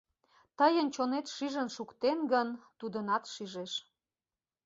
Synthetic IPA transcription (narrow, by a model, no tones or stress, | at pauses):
t̪əjənt͡ɕonet̪ʃyʒənʃukt̪enɡənt̪ud̪ənɑt̪ʃiʒeʃ